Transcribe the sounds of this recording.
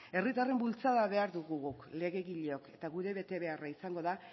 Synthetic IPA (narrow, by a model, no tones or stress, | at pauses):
e̞rit̪are̞mbult͡saðaβe̞aɾðuɣuɣukle̞ɣe̞ɣiʎeo̞ke̞t̪aɣuðe̞βe̞t̪e̞βe̞araisaŋɡo̞ða